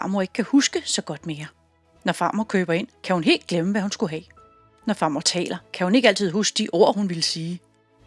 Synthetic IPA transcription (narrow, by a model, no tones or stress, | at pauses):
ɑ̈moe̝ɡ̥əkʰæhusɡ̥əsɒ̽ɡ̥ɒ̽d̥me̝ːɐ | nɒfɑ̈ːmɐkʰøːb̥ɐe̝n̰kʰæhunɦe̝̰ːld̥̚ɡ̥leməʋæhunsɡ̥uɦɛ̰ | nɒfɑ̈ːmɐt͡sʰɛ̰ːlɐkʰæhune̝ɡ̥əæl̰t͡sʰiðˠɦusɡ̥̚d̥iʔo̝ɐ̰hunʋilsiː